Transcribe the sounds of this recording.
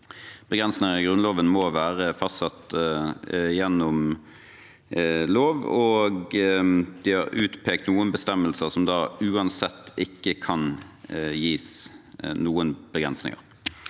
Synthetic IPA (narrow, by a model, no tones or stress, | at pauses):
b̥əɡɾɛnsnɪŋəɪɡʁʉnloːʋənmɔʋæːʁəfɑsɑt̪ːə | jɛnːɔm | loːʋɔɡ | d̪̥ɪhɑʁʉːt̪pʰeːkt̪nuːənbəst̪ɛmːəlsəʁsɔmd̪ɑːʉːɑnsɛt̪ːɪkːəkʰɑn | jiːsnuːənb̥əɡʁɛnsnɪ̰ŋə̰ʁ